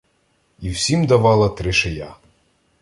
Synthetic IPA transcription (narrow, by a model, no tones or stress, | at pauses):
iwsʲimd̪ɐʋɑlˠɐt̪ɾɪʃeja